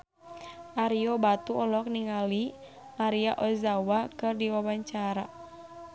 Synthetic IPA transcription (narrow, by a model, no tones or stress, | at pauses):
ʔaɾiɔbat̪uʔɔlɔk̚niŋali | maɾiaʔɔzawakɨrdiwawaɲt͡ʃaɾa